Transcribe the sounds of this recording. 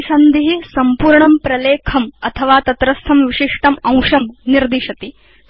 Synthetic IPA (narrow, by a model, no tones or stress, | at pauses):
sɐnd̪iɦisɐmpuːɾɳɐmpɾɐleːkʰɐmɐt̪ʰɐʋaːt̪ɐt̪ɾɐst̪ʰɐmʋiʃiʂʈɐmɐ̃w̃ʂɐmniɾd̪iʃɐt̪i